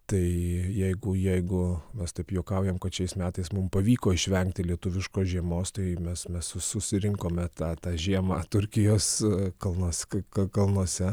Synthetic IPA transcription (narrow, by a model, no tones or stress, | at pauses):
t̪ɐɪjɛɪɡʊjɛɪɡʊmʲɛst̪ɐɪpjoːkɑʊjɛmkɐt̪ʃʲɛɪsmʲæːt̪ɐɪsmʊmpɐʋʲiːkoːɪʃʲʋʲɛŋk̚t̪ʲɪlʲiɛt̪ʊʋʲɪʃkoːsʒʲiɛmoːst̪ɐɪmʲɛsmʲɛsʊsʊsʲɪɾʲɪŋkoːmʲɛt̪ɑːt̪ɑːʒʲiɛmɑːt̪ʊɾʲkʲɪjoːskɐlˠnoɔsʲkɐkɐlˠnuɔsʲɛ